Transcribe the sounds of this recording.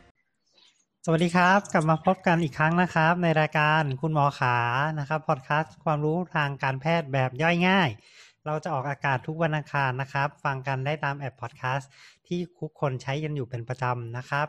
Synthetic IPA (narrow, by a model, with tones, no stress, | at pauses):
sa˧˩wa˨˩diː˧kʰa˦˥p̚ka˨˩p̚maː˧pʰo˦˥p̚ka˧nʔiː˨˩kʰːɾa˦˥ŋna˦˥kʰa˦˥p̚na˧jɾaː˧jkaː˧nkʰu˧nmɔː˩˦xʰaː˩˦na˦˥kʰa˦˥pʰːɔː˨˩t̪̚kʰaː˦˥skʰwaː˧mɾuː˦˥t̪ʰaː˧ŋkaː˧npʰɛː˥˩t̪̚bɛː˨˩p̚jɔ˥˩jŋaː˥˩j | ɾa˧wt͡ɕa˨˩ʔɔː˨˩k̚ʔaː˧kaː˨˩t̪ʰu˦˥k̚wa˧nʔaː˧ŋkʰaː˧nːa˦˥kʰɾa˦˥p̚fa˧ŋka˧ndaː˥˩jt̪aː˧mʔɛː˨˩pʰːɔː˨˩kʰaː˦˥st̪ʰiː˥˩kʰu˦˥kʰːo˧nt͡ɕʰa˦˥jka˧njuː˨˩pe˧npɾa˧t͡ɕa˧mna˦˥kʰɾa˦˥p̚